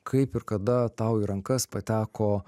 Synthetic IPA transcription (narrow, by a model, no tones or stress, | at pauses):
kʰɐɪpɪɾkɐd̪ɐt̪ɐʊiɾɐŋkɐspɐt̪ʲæːkoː